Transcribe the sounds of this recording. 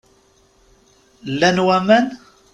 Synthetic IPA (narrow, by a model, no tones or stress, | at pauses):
lːænwæmæn